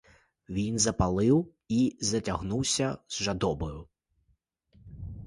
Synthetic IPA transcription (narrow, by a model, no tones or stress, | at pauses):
ʋʲinzɐpɐlˠɪw | izɐtʲɐɦnuwsʲɐzʒɐd̪ɔbɔjʊ